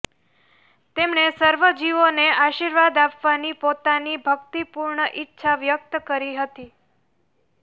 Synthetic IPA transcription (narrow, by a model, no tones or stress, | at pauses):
t̪emnesəɾʋəd͡ʒiʋoneaʃiɾʋad̪apʋanipot̪anibʱəkt̪ipuɾɳəʔɪtːʃʰaʋjək̚t̪əkəɾiɦət̪i